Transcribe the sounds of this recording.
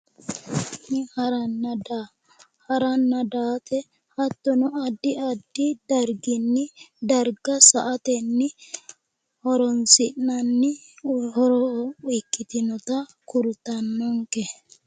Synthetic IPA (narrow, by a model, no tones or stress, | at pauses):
nɪhɐɾɐnːɐd̪a | hɐɾɐnːɐd̪aːt̪ɛ | hɐt̪ːɔnɔɐd̪ːɪɐd̪ːɪd̪ɐɾɡɪnːɪd̪ɐɾɡɐsɐʔɐt̪ɛnːɪ | hɔɾɔnsɪnːɐnːɪhɔɾɔʊjkːɪt̪ɪnɔt̪ɐkʊɾʊt̪ːɐnːɔŋkɛ